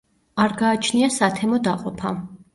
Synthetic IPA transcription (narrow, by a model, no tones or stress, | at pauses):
aɾɡaːt͡ʃʰniasat̪ʰɛmɔd̪aqʼɔpʰa̰